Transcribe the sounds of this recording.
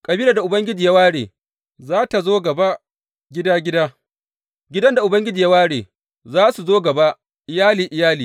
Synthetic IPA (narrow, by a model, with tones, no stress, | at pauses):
kʼɐ˨biː˦la˨da˨ʔʊ˨bɐ˦ŋɡʲɪ˦d͡ʒiː˨ja˦waː˦ɽeː˨ | zaː˦ta˨zoː˦ɡɐ˨ba˦ | ɡʲɪ˦daː˦ɡʲɪ˦daː˦ | ɡʲɪ˦dɐ˦nda˨ʔʊ˨bɐ˦ŋɡʲɪ˦d͡ʒiː˨ja˦waː˦ɽḛː˨ | zaː˦su˨zoː˦ɡɐ˨ba˦ | ʔɪ˨jaː˦liː˨ʔɪ˨jaː˦liː˨